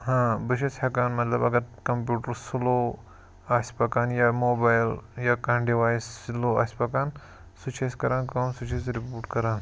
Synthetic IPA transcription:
ɦãːbɨʃɐshɐkaːnmɐt̪lɐbɐɡɐɾkɐmpjuːʈɐɾsulo | aːspɐkaːnjamoːbaːjljakaɳɖiʋaːssloːa̰ːsʲpɐkaːn | sut͡ʃʰeskɐɾãːnkɐːmsut͡ʃʰes̬ɾipuːɾʈkɐɾãːn

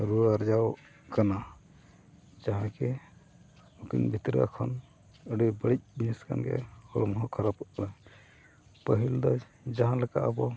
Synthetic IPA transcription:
ɾuaɾd͡ʒaw | kana | d͡ʒaɦãkɛ | ukḭnbʱit̪ɾa̰kʰɔn | əɖibəɽic̚bniska̰nɡɛ̰hɔɽɔmɦɔkʰaɾapɔt̪̚kaɽa | pəɦild̪ɔj | d͡ʒaɦãlɛka̰ʔəbɔ

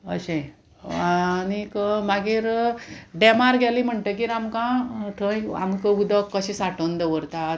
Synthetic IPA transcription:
ə̰ɕẽ | anikmaɡiːɾɖemaɾɡʱɛlim̤əɳt̪ek̬iɾamkãt̪ʰəja̰mkəud̪əkːəɕĩsaʈənd̪eʋəɾt̪a

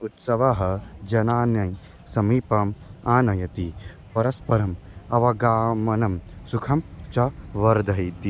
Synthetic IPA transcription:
ut̪sɐʋaɦɐd͡ʒɐnaːnjɐj | sɐmiːpɐmaːnɐjɐt̪i | pɐɾɐspɐɾɐmɐʋɐɡaːmɐnɐmsukʰɐmt͡ʃɐʋɐɾd̪ʱɐit̪i

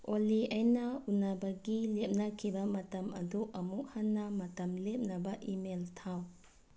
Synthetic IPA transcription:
oliajnɐunabaɡilep̚nakʰibɐmɐtɐmɐduʔɐmuk̚hanːamɐtɐmlep̚nɐbɐʔimeltʰaw

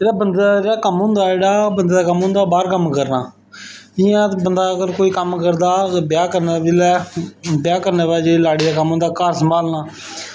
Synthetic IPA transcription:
eːɽaːbənd̪aeːɽaːkəmɦʊ̃ːnd̪aːeːɽaːbənd̪eːd̪aːkəmɦʊ̃ːnd̪aːbaːɾkəmkəɾnaː | ɪjãːt̪bənd̪aːəɡəɾkoːiːkəmkəɾd̪aːbjaːkəɾneːiːlɛːbjaːkəɾneːʋaːd͡ʒeːlaːɽiːd̪aːkəmɦõːnd̪aːkaːɾsəmbʱaːlnaː

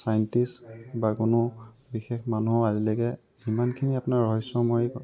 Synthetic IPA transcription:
sajntisbakʊnʊ | bixexmanuɦɔazilɛkɛ | imankʰiniapʊnaɹɹɔɦisːɔmɔj

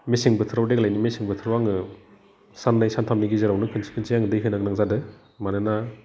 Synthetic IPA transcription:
mesiŋbɯtʰɯɾawdeklajnimesiŋbɯtʰɯɾawaŋɯ | sanːajsantʰamniɡizɯɾawnɯkʰɯnsʰi̥kʰɯnsʰiaŋɯdɯjɦɯnaɡnaŋzadɯ | manɯna

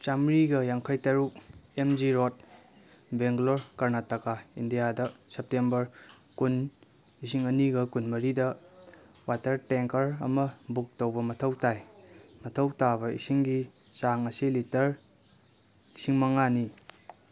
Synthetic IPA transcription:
t͡ʃamɾiɡɐjaŋkʰajtɐɾuk̚emd͡ʒiɾot̚ | beŋɡloɾkɐɾnatakaindijadɐsep̚tembɐɾ | kun | is̬iŋɐniɡɐkunmɐɾidɐ | watɐɾteŋkɐɾɐ̰mɐbuk̚towbɐmɐtʰɐwtajmɐtʰɐwtabɐisiŋɡi | saŋɐsilitɐɾ | siŋmɐŋani

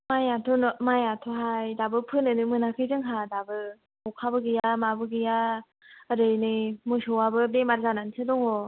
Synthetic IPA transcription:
majatʰɔnɔmajatʰɔɦajdabɯpʰɯnɯnɯmɯnakʰɯjzɯŋɦadabɯ | mɔkʰabɯɡɯjamabɯɡɯja | əɾɯjnɯjmɯsɔwabɯbemaɾzanansʰɯdɔŋɔ

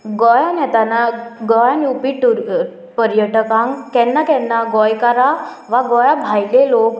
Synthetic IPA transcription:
ɡɔjanɛt̪anaɡɔjaniupiʈu | pəɾjəʈəkãŋkɛnːakɛnːaɡɔjkaɾa | ʋaɡɔjabʱajlelok

